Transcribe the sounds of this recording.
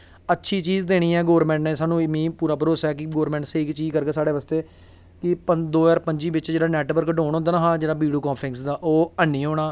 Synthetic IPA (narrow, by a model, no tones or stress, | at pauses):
ətːʃʰiːt͡ʃiːzd̪eːɽ̃iːɛːɡoːɾmɛ̃ːɳʈnẽːsaːnũːɪmĩːpuːɾaːbəɾoːsɛːk̬ɪɡoːɾmɛ̃ːɳʈseɪkt͡ʃiːzkəɾɡeːsaːɽeːʋaːst̪eː | kɪpəd̪oːɛːɾpəɲd͡ʒiːbɪt͡ʃd͡ʒeːɽaːnɛːʈbəɾkɖoːɳɦõnd̪aːnaːɦãːd͡ʒeːɽaːbiːɽoːkãːpʰɾɪ̃ŋksd̪aːʔoːənːiːɦoːɽ̃aː